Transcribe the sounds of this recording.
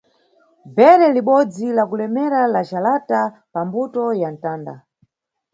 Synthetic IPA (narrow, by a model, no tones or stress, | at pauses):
bɛɾɛliɓɔd͡zilakulɛmɛɾalaʒalata | pambutɔjan̩taːnda̰